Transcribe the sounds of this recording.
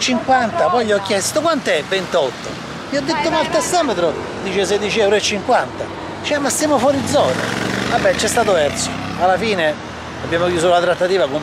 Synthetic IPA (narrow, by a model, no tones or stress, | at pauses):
t͡ʃiŋkwant̪apɔjʎiɔkːjɛst̪okwant̪ɛvːent̪ɔt̪ːo̰ | iɔd̪ːet̪ːomalt̪ast̪ɔmet̪ɾo | d̪iːt͡ʃes̬ɛd̪it͡ʃiɛwɾoet͡ʃːiŋkwant̪a | t͡ʃɛmast̪jaːmofwɔːɾid̪zːɔːna̰vabːɛt͡ʃːɛst̪aːt̪opɛrt̪so̥ | alːafiːne | abːjaːmok̟juːsolat̪ɾat̪ːat̪iːvakom